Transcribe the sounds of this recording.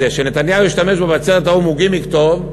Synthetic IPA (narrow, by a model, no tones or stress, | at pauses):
eʃenet̪anjaujiʃt̪ame̞ʃbevat͡seʁt̪aumuɡimikt̪ov